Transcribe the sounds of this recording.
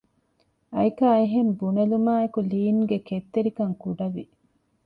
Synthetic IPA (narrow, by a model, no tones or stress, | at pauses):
ɐjkaːeɦembunɐlumaːekuliːnɡeket̪ːeɾikɐŋkuɖɐʋi